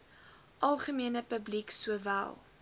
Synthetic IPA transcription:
ʔɐlˠχəmiənəpəbliksuəvæ̰lˠ

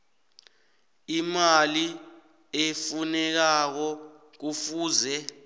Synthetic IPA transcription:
imali | efunɛk̬ak̬ɔ | k̬ufuːzɛ

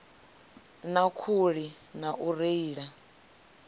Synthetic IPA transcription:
nakʰuɺinaʔuɾeiːɺa

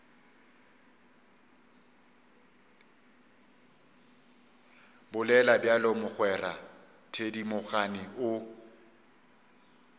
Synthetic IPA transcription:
bʊlɛlabjalɔmʊχwɛra̰ | tʰedimʊɣanɪʔʊ

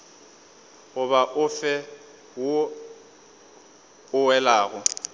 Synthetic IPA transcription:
ɣʊβaʔʊfɛ | wʊ | ʊwɛlaːɣʊ

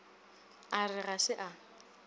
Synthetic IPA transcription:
arɪɣasɪʔa

